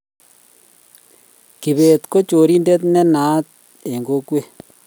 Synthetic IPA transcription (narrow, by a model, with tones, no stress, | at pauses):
ki˨βe˨t̪ko˦t͡ʃo˨ɾi˦nde˦t̪nɛ˦na˨˦t̚ | e˨ŋɡo˦kwe˦